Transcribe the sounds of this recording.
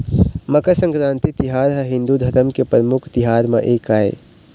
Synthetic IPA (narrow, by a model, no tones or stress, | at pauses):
məkəsə̃ŋkɾãːnt̪it̪iɦaːɾɦəɦɪ̃nd̪ud̪ʱɐɾəmkepɾəmʊkʰt̪iɦaːɾmḛʔeːkaːḛ